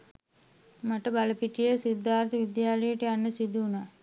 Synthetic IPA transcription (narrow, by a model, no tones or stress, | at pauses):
maʈəbaləpiʈijəsid̪ʱːaːɾt̪əʋid̪jaːləjəʈəjanːəsid̪uːnaː